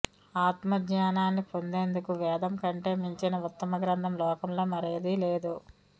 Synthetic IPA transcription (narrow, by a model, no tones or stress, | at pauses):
aːt̪mɐɡɲaːnaːnːipo̞nd̪e̞ːnd̪ukuʋɛːd̪ɐmkɐɳʈe̞ːmiɲt͡ʃinɐut̪ːɐmɐɡɾɐnd̪ʰʱɐmlɔːkɐmlo̞ːmɐɾejɐd̪ile̞ːd̪u